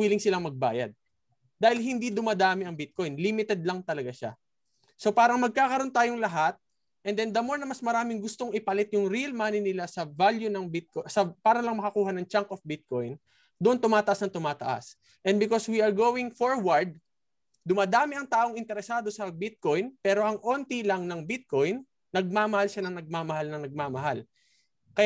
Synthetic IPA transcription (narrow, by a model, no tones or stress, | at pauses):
wiːlɪŋsɪlaŋmɐɡ̚ba̰ːjɐ̰d̪̚ | d̪aːhɪlɦɪnd̪id̪ʊmaːd̪aːmɪɐŋbɪt̪̚ko̞jnlimɪt̪ɛd̪̚lɐŋt̪ɐlɐɡaʃa̰ | so̞paːɾɐŋmɐɡ̚kaːkɐɾo̞nt̪aːjoŋlɐɦat̪̚ | ʔɛnd̪ɛnd̪ɐmoɹnɐmɐsmɐɾaːmɪŋɡʊst̪o̞ŋʔɪpɐlɪt̪̚jʊŋɾiɐlmaːnɪnɪlasɐvaljunɐŋbɪt̪̚kosɐpaːɾɐlɐŋmɐkɐkuːhɐnɐŋt͡ʃaŋkʔofbɪt̪̚ko̞jn | d̪oʔont̪ʊmaːt̪ɐʔasnɐŋt̪ʊmaːt̪ɐ̰ʔa̰s | ʔɛnd̪̚bɪko̞swiɐɹɡoːwɪŋfoɹwɐɹd̪̚ː | ʊmaːd̪aːmɪʔɐŋt̪aːʔo̞ŋɪnt̪ɛɾɛsaːd̪o̞sɐbɪt̪̚ko̞jnpɛːɾo̞ʔɐŋʔo̞nt̪ilɐŋnɐŋbɪt̪̚ko̞jnː | ɐɡ̚maːmɐhalʃanɐŋnɐɡ̚maːmɐhalnɐŋnɐɡ̚maːmɐɦal | kɐj